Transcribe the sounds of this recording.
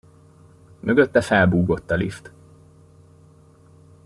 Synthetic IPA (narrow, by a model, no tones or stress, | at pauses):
møɡø̞t̪ːɛfɛlbuːɡo̞t̪ːɒlḭft̪